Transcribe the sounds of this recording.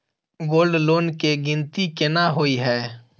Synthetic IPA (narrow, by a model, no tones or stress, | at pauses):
ɡoːlɖloːnkeɡɪnt̪ikɪnaɦoiɦɛː